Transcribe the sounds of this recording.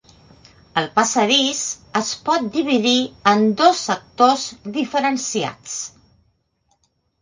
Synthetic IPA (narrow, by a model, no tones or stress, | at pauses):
əlˠpəsəðisəspɔt̪̚d̪iβ̞iðiənd̪ɔsːək̚t̪ozðifəɾənsia̰t͡s